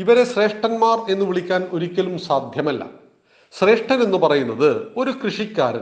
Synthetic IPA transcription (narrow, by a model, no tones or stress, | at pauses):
iʋɐɾe̞ɕre̞ːʂʈɐnmaːre̞nːɨʋiɭikʲːaːno̞ɾikʲːɐlumsaːd̪ʱjɐmɐlːɐ̰ | ɕre̞ːʂʈɐme̞nːɨpɐrɐjunːɐðɨo̞ɾukrɨʂikʲːaːɾɐ̰